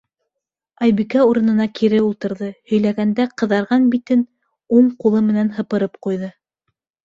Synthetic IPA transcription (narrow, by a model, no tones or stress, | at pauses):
ɑjbikæuɾɤ̆nɤ̆nɑkʰiɾɘulˠt̪ɤ̆ɾðɤhɵ̆jlæɡænd̪æqɤ̆ðɑɾʁɑnbit̪ɘn | uɴqulˠɤmɘ̆nænɦɤ̆pɤ̆ɾɤpqujðɤ